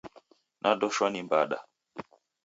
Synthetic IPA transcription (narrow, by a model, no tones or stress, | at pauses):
nʔaɗɔʃwanimbaɗa̰